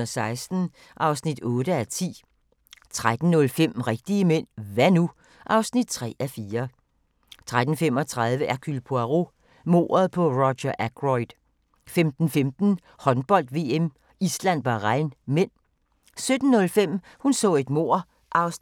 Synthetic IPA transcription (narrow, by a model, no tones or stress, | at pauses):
sɑ̈ɪsd̥n̩ | ʔɑ̈ʊsnid̥ɔ̽ːɾəæt͡sʰḭː | t͡sʰʁad̥n̩nːɔ̽lfem̰ʁɛɡ̥̚d̥iəmen̰ʋænu | ʔɑ̈ʊsnid̥̚t͡sʰʁɛ̰ːæfiːɐ | t͡sʰʁad̥n̩fem̰ɒt͡sʰʁað̞ˠʋəʔækʰylpʰoæʁo̝ | mo̝̰ːɐð̞ˠpʰɒ̽ʁɒɕɐʔæɡ̥ʁɔɪd̥ | femd̥n̩femd̥n̩ | hɒ̽nb̥ɒ̽l̰d̥ʋe̝ːem | islæn̰b̥ɑʁɑɪnmen̰ | sød̥n̩ːɔ̽lfem̰ | hunsɔ̰̽ːe̝d̥mo̝̰ːɐ̰ | ʔɑ̈ʊs